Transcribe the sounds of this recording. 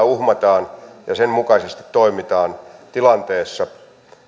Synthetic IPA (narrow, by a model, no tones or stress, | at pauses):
uhmɑt̪ɑːnjɑ̰semmukɑsest̪i̥t̪toimit̪ɑːnt̪ilɑnt̪eːsːɑ